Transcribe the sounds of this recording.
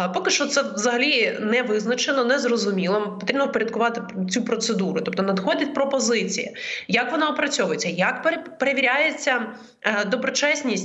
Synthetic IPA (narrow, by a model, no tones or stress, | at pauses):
pɔkɪʃt͡ʃɔt̪sɛʋzɐɦɐlʲinɛʋɪznɐt͡ʃenɔnɛzrɔzʊmʲilˠɔpɔt̪ɾʲibnɔpɔɾʲɐd̪̚kʊʋɑt̪ɪt͡sʲupɾɔt̪sed̪uɾʊt̪ɔp̚t̪ɔnɐd̪xɔdʲɐtʲpɾɔpɔzɪt͡sʲḭjijɐkʋɔnɑɔpɾɐt͡sʲɔʋʊjet͡sʲːɐjɐkpepeɾeʋʲiɾʲajet͡sʲːɐ | d̪ɔbɾɔt͡ʃɛsʲnʲisʲtʲ